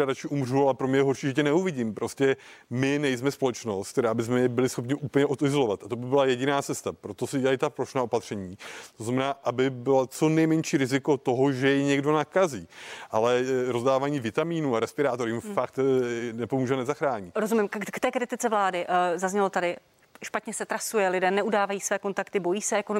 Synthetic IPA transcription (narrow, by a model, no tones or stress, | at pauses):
ɾadat͡ʃɪʔumr̝ualɛpɾo̞mɲɛjɛɦoɾʃiːʒɛcɛnɛuvɪɟiːmpɾoscɛ | mɪnɛjsmɛspo̞lɛt͡ʃno̞st̪kt̪ɛɾaːbɪsmɛjɛbɪlɪsxo̞pɲɪʔupəɲɛʔot̪ɪzolovat̪at̪obɪbɪlajɛɟɪnaːt͡sɛst̪apɾo̞t̪o̞sɪɛajt̪apɾoʃnaːo̞pat̪r̝̥ɛɲiːt̪oznamɛnaːʔabɪbɪlat͡so̞nɛjmɛɲʃiːɾɪzɪko̞t̪o̞ɦoʒɛjɛɲɛɡdo̞nakaziːʔalɛɾo̞zdaːvaːɲiːvɪt̪amiːnuːaɾɛspɪɾaːt̪oɾɪmfak̚t̪nɛpomuːʒɛnɛzaxɾaːɲiɾozumɪmkt̪ɛːkɾɪt̪ɪt͡sɛvlaːdɪʔzazɲɛlot̪adɪ | ʃpat̪ɲɛsɛt̪ɾasujɛlɪdɛːnɛʔudaːvajiːsvɛːko̞nt̪akt̪ɪbo̞jiːsɛɛkon